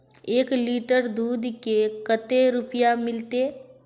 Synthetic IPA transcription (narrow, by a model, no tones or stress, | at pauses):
eːkliːʈəɾd̪uːd̪ʱkekət̪eɾʊpjamɪlt̪e